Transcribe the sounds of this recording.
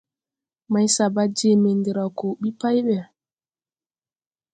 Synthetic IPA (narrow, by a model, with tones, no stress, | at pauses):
ma˨jsa˨ba˦d͡ʒe˦˨me˨ndi˨ɾa˨ko˨ɓi˦pa˦jɓɛ˨